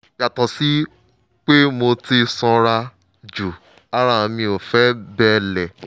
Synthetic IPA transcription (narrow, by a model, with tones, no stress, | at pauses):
ja˨tɔ̃˨si˦ | k͡pe˦mo˧ti˧sɔ̃˧ɾa˧ | d͡ʒu˨ | a˦ɾa˦˨ã˧mĩ˧o˨fɛ˦bɛ˦lɛ˨